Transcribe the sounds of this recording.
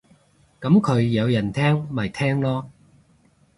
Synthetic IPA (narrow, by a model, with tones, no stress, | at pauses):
kɐ˨˥mkʰɵ˨˧ɥjɐ˨˧wjɐ˨˩nt̪ʰɛː˥ŋmɐ˨˩jt̪ʰɛː˥ŋlɔː˥